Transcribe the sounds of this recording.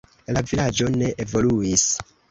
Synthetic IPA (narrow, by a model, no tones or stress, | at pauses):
lavilad͡ʒo̞ne̞ʔevo̞luis